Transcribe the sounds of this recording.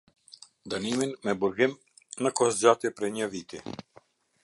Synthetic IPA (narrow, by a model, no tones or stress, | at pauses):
d̪animinmɛbuɾɡim | nəkɔsd͡ʑat̪jɛpɾɛɲəvit̪i